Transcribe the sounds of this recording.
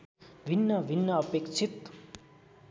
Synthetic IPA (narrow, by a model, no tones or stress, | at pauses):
bʱinːʌbʱinːʌʌpekt͡sʰit̪